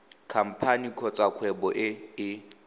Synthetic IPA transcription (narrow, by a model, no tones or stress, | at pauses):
kʰam̩pʰanikʰɔt͡sʼakʰwɛbɔʔɪɪ